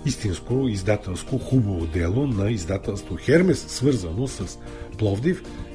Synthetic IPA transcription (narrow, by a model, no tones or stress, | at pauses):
ist̪inskoizd̪at̪ɛlˠskoxubɐvod̪ɛlˠonɐizd̪at̪ɛlˠst̪voxɛɾmɛsːvɤɾzənosɐs | plˠɔvd̪if